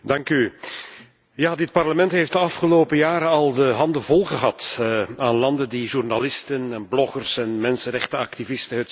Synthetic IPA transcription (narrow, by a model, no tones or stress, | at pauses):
dɑŋky | jaːdɪt̚pɑrləmɛntɦeft̚dəɑfχəloːpəjaːɾənɑlˠdəɦɑndəvɔlˠχəɦɑtaːnlɑndəndiʒurnalɪstənɛnblɔχərsɛnmɛnsənɾɛχtəɑktivɪstəɦət